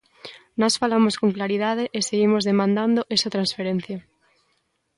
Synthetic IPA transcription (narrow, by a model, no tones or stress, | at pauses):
nɔsfalamoskoŋklaɾiðað̞eʔeseɣimozðemãnd̪and̪oʔesat̪ɾãnsfeɾen̟θja